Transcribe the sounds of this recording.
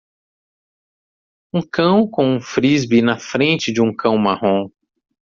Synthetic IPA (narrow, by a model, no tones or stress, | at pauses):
ũkɐ̃w̃kõũfɾizbinɐfɾẽnt͡ʃɪd͡ʒɪũkʰɐ̃w̃mahõ